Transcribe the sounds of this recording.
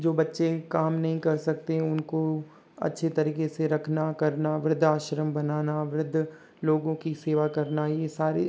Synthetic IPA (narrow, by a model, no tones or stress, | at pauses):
d͡ʒoːbɐtːʃekaːmnɐɦĩkɐɾsɐk̚t̪eʊnko | ɐ̰tːʃʰet̪ɐɾiːkeseɾɐkʰnakɐɾnaʋɾɪd̪ʱaːʃɾəmbɐnaːnaʋɾɪd̪ʱː | loːɡõkiseːʋakɐɾnajesaːɾe